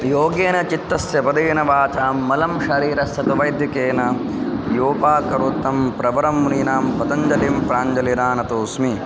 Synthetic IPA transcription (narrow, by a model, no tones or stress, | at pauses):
joːɡeːnɐt͡ʃit̪ːɐsjɐbɐd̪eːnɐʋaːt͡ʃaːmːɐlɐmʃɐɾiːɾɐsɐt̪uʋɐjd̪ʱjikeːnɐ | joːpaːkɐɾut̪ːɐmpɾɐʋɐɾɐmːuninaːmpɐd̪ɐɲd͡ʒɐlimpɾaːɲd͡ʒɐliɾaːnɐt̪oːsmi